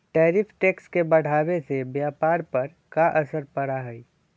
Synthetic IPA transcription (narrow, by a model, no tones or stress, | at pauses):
ʈɛːɾifʰʈeːkskebɐɽ̤aːwesebjaːpaːɾpɐɾ | kaʔəsəɾpɐɾaɦɛi